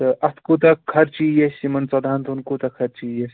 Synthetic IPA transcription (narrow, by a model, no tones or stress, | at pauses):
ʔɐt̪ʰkut̪ɐkʰːɐɾt͡ʃijesimɐnt͡sɐd̪ʱaːnt̪unkut̪ɐkʰɐɾt͡ʃijes